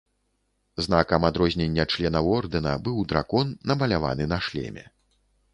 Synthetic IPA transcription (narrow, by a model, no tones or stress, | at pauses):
zn̪akɐmad̪ɾɔzʲnʲɛnʲːɐt͡ʂlʲɛnɐwɔrd̪ɨnɐbɨwd̪ɾa̰kɔnːɐmɐlʲava̰n̪ɨnɐʂlʲɛ̰mʲɛ̰